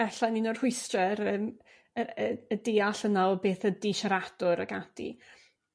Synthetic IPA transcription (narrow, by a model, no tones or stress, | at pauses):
ɛɬaninɔr̥hʊɨstrɛɾəːm | əəədeːaɬənaɔbeːθədiʃaɾad̥ʊɾə̰ɡad̥ḭ